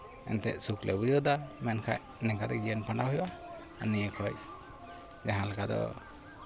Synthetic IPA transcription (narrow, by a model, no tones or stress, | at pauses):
ɛ̰nt̪ɛ̰ʔsuklɛbud͡ʒɔd̪amɛnkʰaj | nɛkat̪ɛd͡ʒɛnpaɳɖahujwʔa | anijəkʰɔj | d͡ʒaɦãlakad̪ɔ̰